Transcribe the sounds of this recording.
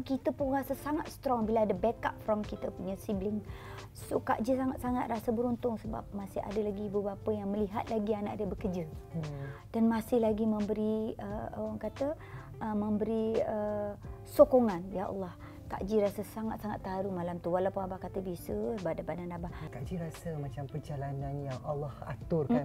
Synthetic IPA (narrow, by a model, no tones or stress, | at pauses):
kit̪əpʊnrasəsaŋat̪̚st̪ɾɔŋbilaadəbɛkap̚fɾɔmkit̪əpuɲəsiblɪŋ | soka̰ʔd͡ʒəsaŋat̪saŋat̪̚rasəbəɾunt̪ʊŋsəba̰p̚masɪha̰dəlaɡibəbapəjaŋməliɦat̪̚laɡiana̰ʔadəbəkəd͡ʒə | d̥anmasɪhlaɡimə̃mbəɾiəawaŋkat̪ə | ʔəməmbəɾiəsokoŋanbiaʔɔ̰lːɑh | k̪a̰ʔd͡ʒiɾasəsaŋat̪̚saŋat̪ːaɾumalamt̪uwalapʊŋabakat̪əbisəsəbat̪̚dapadanabahkaʔd͡ʒiɾasəmat͡ʃampərd͡ʒalananjaŋalːɑha̰t̪ʊrkan